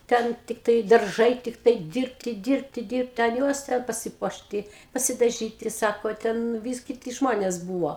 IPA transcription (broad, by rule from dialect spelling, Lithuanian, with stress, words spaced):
ˈtʲɛn ˈtʲɪktɐɪ dɐrˈʒɐɪ ˈtʲɪktɐɪ ˈdʲɪrʲpʲtʲɪ ˈdʲɪrʲpʲtʲɪ dʲɪrʲpʲtʲɪ ɐn ˈjuɔs ˈtʲɛn pɐsʲɪˈpuɔʃʲtʲɪ pɐsʲɪdɐˈʒʲiːtʲɪ ˈsɑːkoː ˈtʲɛn ˈʋʲiːs kʲɪˈtʲɪ ˈʒmoːnʲeːs ˈbuːʋoː